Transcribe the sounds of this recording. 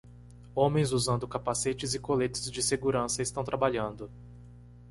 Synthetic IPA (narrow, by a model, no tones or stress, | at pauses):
õmẽj̃zuzɐ̃nd̪ʊkapaset͡ʃɪzɪkolet̪ʊ̥zd͡ʒɪseɡuɾɐ̃sɐɪst̪ɐ̃w̃t̪ɾabaʎɐ̃nd̪ʊ